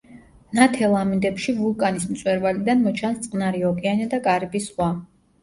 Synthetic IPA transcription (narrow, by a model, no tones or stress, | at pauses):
nat̪ʰɛlˠamind̪ɛpʃivulˠkʼanismt̪sʼwɛɾvalid̪anmɔt͡ʃʰanst̪sʼqʼnaɾiɔkʼɛanad̪aɡaɾibisχwa